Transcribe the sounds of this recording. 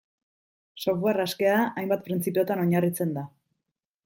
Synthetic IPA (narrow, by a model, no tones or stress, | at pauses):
soβɣaraske̞aajmbat̪̚pɾint͡sipeo̞t̪ano̞ɲarit͡se̞nd̪a